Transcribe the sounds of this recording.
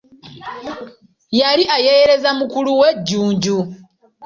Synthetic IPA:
jaliʔajeɾe̞zamukuluweɟːuːɲɟu

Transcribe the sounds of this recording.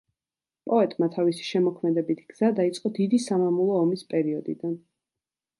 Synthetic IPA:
pʼɔɛt̪ʼmat̪ʰavisi̥ʃɛmɔkʰmɛd̪ɛbit̪ʰɡ̥z̥ad̪ait̪sʼqʼɔd̪id̪isamamulˠɔːmispʼɛɾiɔd̪ḭd̪an

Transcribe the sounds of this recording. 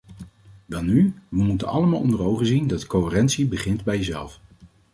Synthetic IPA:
ʋɛlˠnyʋəmutənɑ̰ləmaːlˠɔ̰ndərowχənzindɑtkoɪrɛntsibəχɪndbɛjəzɛ̰lˠf

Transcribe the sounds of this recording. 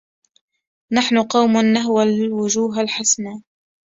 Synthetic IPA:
naħnʊqɑwmʊnːaɦwalwʊd͡ʒuːɦalħasnaː

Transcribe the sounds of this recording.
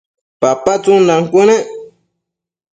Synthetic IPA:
papat͡suŋnaŋkune

